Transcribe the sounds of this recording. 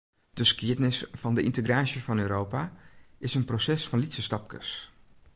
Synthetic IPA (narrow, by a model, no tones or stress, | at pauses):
d̥əskiədnɪsfɑndəʔɪ̰ntəɡraːsjəsfɑnøːɾowpaɪsənprosɛsfɑnlitsəstɑp̚kə̰s